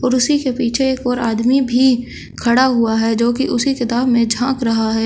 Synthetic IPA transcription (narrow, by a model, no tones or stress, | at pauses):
ɔːɾʊsikepiːt͡ʃʰeeːkɔːɾa̰ːd̪mibʱi | kʰɐɽaɦʊaɦɛːd͡ʒoːk̬iʔʊsikɪt̪aːbmẽd͡ʒʱãːkɾɐɦaɦɛː